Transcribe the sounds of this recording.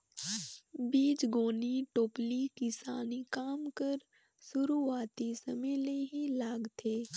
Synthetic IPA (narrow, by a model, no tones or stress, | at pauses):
biːd͡ʒɡoːniʈoːplikɪsa̰ːnikaːmkəɾ | sʊɾuaːt̪isɐ̰mə̃leɦilaːɡt̪ʰeː